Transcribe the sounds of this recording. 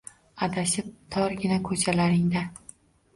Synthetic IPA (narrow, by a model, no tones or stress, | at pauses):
ad̪aʃɪp̚t̪ʰɒɾɡʲɪnakʰɵt͡ʃʰalaɾɪŋd̪a